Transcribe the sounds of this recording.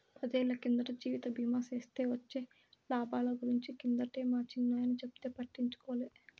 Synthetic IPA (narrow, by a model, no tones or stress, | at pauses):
pʰɐd̪eːlːɐkind̪ɐʈɐd͡ʒiːʋit̪ɐbʱiːmaːseːst̪e̞ːʋɐt͡ʃːe̞ː | laːbaːlɐɡuɾiɲt͡ʃikind̪ɐʈeːmaːt͡ʃinːaːjɐnit͡ʃept̪eːpɐʈːiɲt͡ʃu̥kɔːleː